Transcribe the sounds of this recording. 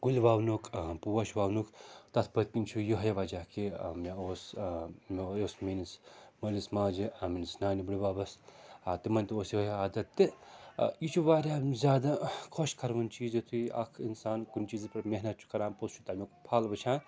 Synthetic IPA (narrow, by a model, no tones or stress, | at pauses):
ɡulʲbaːwnukpuʋɐʃbaːwnukt̪ɐt̪ʰpɐt̪̚kint͡ʃʰujuɦɐjɐʋɐd͡ʒakimʲeoːsmʲoːsmenismɐlismaːd͡ʒiʔɐminisnaːnibuɽibaːbɐsat̪imɐnt̪oːsjiɦiaːd̪ɐt̪ːɨ | jit͡ʃʰuʋaːɾʲaːzʲjaːd̪akʰoʃkʰɐɾʋɐnt͡ʃiːzit̪ʰuiʔɐ̰kʰinsaːnkunt͡ʃiːzpɐɾmʲeɦnɐt̪̚t͡ʃʰu̥kɐɾãːmpost͡ʃʰu̥t̪ɐmʲokpʰaːlbɐt͡ʃʰãːn